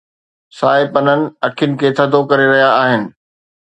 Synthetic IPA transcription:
saːɪpɐnənɪ̆ɐʈʰijʊnɪ̆kʰeːt̪ʰɐd̪okɐɾeɾɐɦijaːɦɪnɪ̆

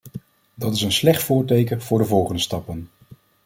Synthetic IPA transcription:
dɑtɪsənslɛχtfʊːɹtejkənv̥ʊːɹdəvɔlˠχəndəstɑpən

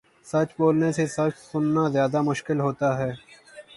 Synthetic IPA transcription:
sɐt͡ʃboːlnesesɐt͡ʃsʊnːazjaːd̪amʊʃkɪlɦoːt̪aɦɛː

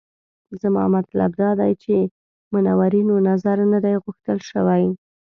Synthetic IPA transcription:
zamɑ̰mat̪la̰bd̪ɑd̪ajt͡ʃe | mʊnawaɾinonazaɾnad̪ajɣʊxt̪əlʃəwaj

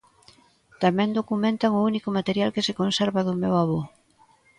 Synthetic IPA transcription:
t̪amɛ̃nd̪okumẽnt̪aŋʊunikʊmat̪eɾjalkɪsekonsɛɾβaðʊmewaβo

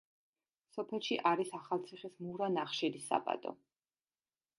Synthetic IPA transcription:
sɔpʰɛlˠʃiʔaɾisaχalˠt̪sʰiχismuɾanaχʃɛɾisa̰pʼa̰t̪ʼɔ̰

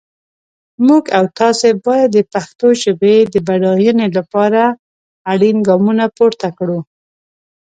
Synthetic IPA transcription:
muɡawt̪ɑsebɑjad̪ːəpaxt̪oʒəbed̪əbaɽɑjənelapɑɾaː | ɽinɡɑmunapoɾt̪akɽu

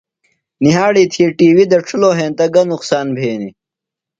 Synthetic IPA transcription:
niɦaːɽiːt̪ʰiʈiːwid̪ɐʈ͡ʂʰuloːɦẽːnt̪ɐɡɐnuqsaːnbʱeːni

